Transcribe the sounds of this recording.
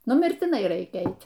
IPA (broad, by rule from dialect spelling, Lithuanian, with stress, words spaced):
nʊ mʲɪrʲtʲɪˈnɐɪ ˈrɐɪkʲɛ ˈɛɪtʲ